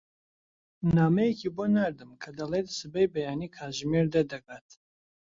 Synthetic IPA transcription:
naːmɛjekʰiːbonaɾd̪ɨmkʰɐd̪ɐleːt̪̚sɨbɛjbɐjaːniːkʰaːʒmeɾd̪ɐd̪ɐɡaːt̪

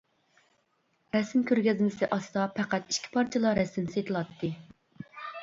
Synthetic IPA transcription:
ɾɛsɪmkʲʰøɾɡʲɛzmɪsɪʔɑsd̪ɑpʰɛqæt̪i̥ʃkʲʰi̥pʰɑɾt͡ʃʰɪlˠɑɾɛsɪmset̪ʰɨlˠɑt̪ʰːɨ

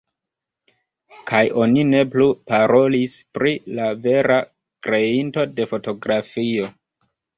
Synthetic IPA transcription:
kʰajo̞nine̞plupaɾʔo̞lispɾilave̞ɾa | kɾe̞into̞de̞fo̞to̞ɡɾafio̞

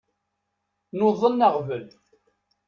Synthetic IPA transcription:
noðˤənːəʁvəl

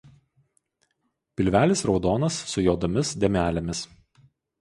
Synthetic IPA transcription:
pʲɪlʲʋʲæːlʲɪsɾɒʊd̪oːnɐsːʊjoːd̪omʲɪsd̪ʲɛmʲæːlʲɛmʲɪs

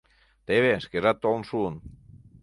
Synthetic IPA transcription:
t̪eβeskerat̪oonsun

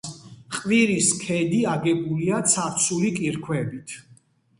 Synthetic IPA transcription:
qʼviɾiskʰɛd̪iaɡɛbuliat̪sʰaɾt̪sʰulikʼiɾkʰwɛbit̪ʰ

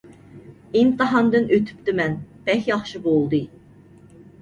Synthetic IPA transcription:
int̪ɨɦɑnd̪ɨnʔøt̪ʰy̥p̚t̪ɪmɛnb̥ɛxʲjɑχʃibolˠd̪ɨ

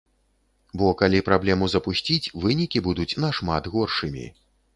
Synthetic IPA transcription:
bɔkalʲipɾablʲɛmuzɐpusʲt͡sʲit͡sʲvɨnʲikʲibud̪ut͡sʲnɐʂmad̪ɣɔrʂɨmʲḭ

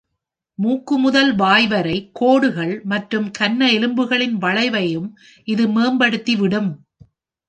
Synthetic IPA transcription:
muːkːɯmʊðɐlʋaːjʋɐɾɐɪkʰːoːɽɯɣɐɭmɐʈrɯmkɐnːɐɛlɯmbɯɣɐɭɪnʋɐɭɐɪʋɐjɯm | ʔɪðɯmeːmbɐɽɯt̪ːiʋɪɽɯm

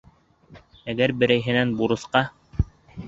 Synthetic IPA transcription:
æɡæɾbɘ̆ɾæjɦɘ̆nænbuɾɤ̆sqɑ

